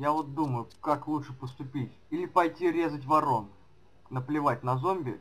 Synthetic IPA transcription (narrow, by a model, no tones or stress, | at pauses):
javo̞t̪̚d̪uməjʊkaklˠutʂɨpəst̪ʊpʲitʲilʲɪpɐjtʲiɾʲe̞zətʲvɐɾo̞n | nəplʲɪvatʲnɐzo̞mʲbʲɪ̰